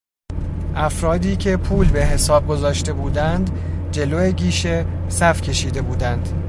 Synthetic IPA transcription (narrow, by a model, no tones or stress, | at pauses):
ʔæfɾɒːd̪iːcʰe̞pʰuːlbe̞ɦe̞sɒːb̚ɡo̞zɒːʃt̪e̞buːd̪ænd̪ | d͡ʒe̞loːeɟiːʃesæfcʲʰe̞ʃiːd̪e̞buːd̪ænd̪̥